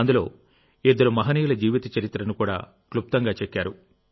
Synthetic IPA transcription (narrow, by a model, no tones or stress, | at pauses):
ɐnd̪ulo̞̰ː | ed̪ːɐɾumɐɦɐniːjulɐd͡ʒiːʋit̪ɐt͡ʃɐɾit̪ːɾɐnukuːɽa̰ː | klup̚t̪ɐŋɡaːt͡ʃekːaːɾu